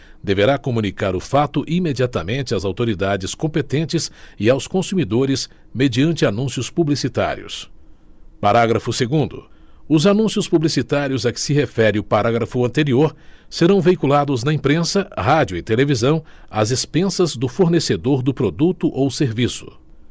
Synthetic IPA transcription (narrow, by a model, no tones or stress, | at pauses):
d̪eveɾakomũnikaɾʊfat̪ʊʔimed͡ʒiat̪ɐmẽnt͡ʃɪazawt̪oɾid̪ad͡ʒɪskõpet̪ẽnt͡ʃɪsɪawskõsumid̪oɾɪs | med͡ʒiɐ̃nt͡ʃɪanũsjʊspublisit̪a̰ɾḭʊ̰s | paɾaɡɾɐfʊseɡũnd̪ʊ̰ʊzanũsiʊspublisit̪aɾjʊzɐkɪ̥sɪɦefɛɾɪʊpaɾaɡɾɐfʊɐ̃nt̪eɾioɾseɾɐ̃w̃vejkulad̪ʊznɐĩpɾẽsɐɦad͡ʒʊɪt̪elevizɐ̃w̃ɐzespẽsɐzd̪ʊfoɾnesed̪oɾd̪ʊpɾod̪ut̪ʊʔowseɾvisʊ̥̰